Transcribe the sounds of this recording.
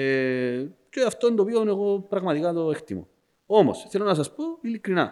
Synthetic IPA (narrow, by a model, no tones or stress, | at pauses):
e | t͡ʃoaft̪ond̪oβjoneɣopɾaɣmat̪iɣaðoekt̪ḭmo̰ | omo̰sθelonas̬aspuilikɾina̰